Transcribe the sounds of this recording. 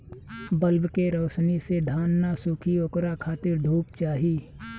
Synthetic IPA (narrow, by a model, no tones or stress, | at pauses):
bəlbkeɾoːsnised̪ʱaːnːasukʰioːkɾakʰaːt̪ɪɾɖ̪ʱuːpt͡ʃaːɦiː